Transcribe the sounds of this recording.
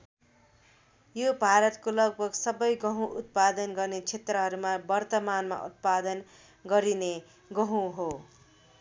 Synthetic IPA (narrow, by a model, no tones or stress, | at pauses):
jobʱaɾʌt̪kolʌɡ̚bʱʌɡsʌbʌjɡʌɦũʔut̪̚pad̪ʌnɡʌrnet͡sʰet̪rʌɦʌɾumabʌrt̪ʌmanma̰ʔṵt̪̚pad̪ʌn | ɡʌɾine | ɡʌɦũɦo